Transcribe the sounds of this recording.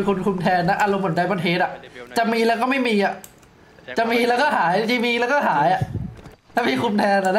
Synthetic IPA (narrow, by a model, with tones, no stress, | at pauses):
kʰu˧nkʰu˧mt̪ʰɛː˧nːa˦˥ʔa˧lo˧mʰu˩˦nt͡ɕa˧jba˧nɦʰeː˨˦˩t̪̚ʔa˨˩ʔt͡ɕa˨˩miː˧lɛː˦˥wkɔː˥˩ma˥˩jmiː˧ʔa˨˩ | t͡ɕa˨˩miː˧lɛː˦˥wkɔ˥˩ɦaː˩˦jt͡ɕi˧miː˧lɛː˦˥wkɔː˥˩ɦaː˩˦ja˨˩ʔt̪ʰaː˥˩miː˧kʰu˧mt̪ʰɛː˧na˨˩na˦˥